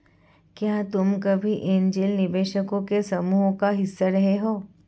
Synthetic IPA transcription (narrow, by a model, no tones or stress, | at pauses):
kjaːt̪ʊmkɐbʱiʔẽnd͡ʒelnɪʋeːʃəkõkesɐmuːɦkaɦɪsːaɾɐɦeɦoː